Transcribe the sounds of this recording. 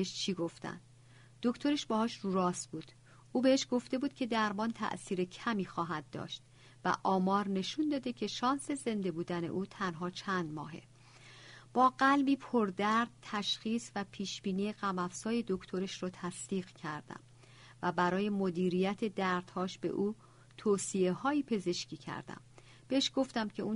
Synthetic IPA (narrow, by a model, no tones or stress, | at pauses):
eʃt͡ʃʰiːɡo̞ft̪æ̰nd̪ | d̪̥okt̪ʰo̞ɾeʃbɒːhɒːʃruːɾɒːsbuːd̪̥ | ʔuːbeeʃɡo̞ft̪e̞buːd̪̚cʰe̞d̪æɾmɒːnt̪ʰæ̰ʔsiːɾecʰæmiːxɒːɦæd̪ːɒ̰ːʃt̪ | væ̰ʔɒːmɒːɾne̞ʃund̪ɒːd̪ecʰe̞ʃɒːnse̞ze̞nd̪e̞buːd̪æne̞̰ʔuːt̪ʰænɦɒːt͡ʃʰænd̪mɒ̰ːɦe̞̰ | b̥ɒːɢælbiːpʰoɾd̪æɾd̪̥̚t̪ʰæʃxiːsvæpʰiːʃbiːniːeɢæmæfsɒːje̞d̪o̞kʰt̪ʰo̞ɾeʃrɔːt̪ʰæsd̪̥iːɣ̥cʰæɾd̪æ̰m | væbæɾɒːje̞mod̪iːɾijæt̪ʰe̞d̪æɾd̪̥hɒːʃb̥e̞̰ʔuː | t̪ʰoːsie̞hɒːjiːpʰe̞ze̞ʃcʰiːcʰæ̰ɾd̪æ̰m | b̥eʃɡ̥o̞ft̪æmcʲʰe̞un